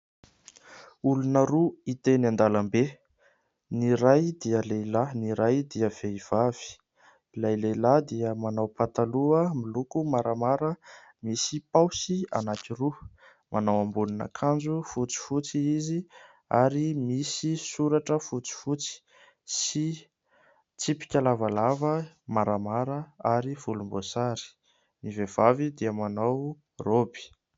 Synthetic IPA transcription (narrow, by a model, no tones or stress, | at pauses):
ulunəɾuit̪enand̪alambe | niɾajd̪iəlejlaniɾajd̪iəv̥eiv̥av̥i̥ | ilajlejlad̪iəmanawpat̪aluəmilukumaɾamaɾə | misipawsia̰nat̪iɾu | mʔanawambunina̰kʰand͡zufut͡si̥fut͡siizi | aɾimisisuɾaʈ͡ʂəfut͡si̥fut͡si̥ | si | t͡sipi̥kʲalavalavə | maɾamaɾəaɾiv̥ulumbosaɾi̥ | nivev̥avid̪iəmanaw | robi̥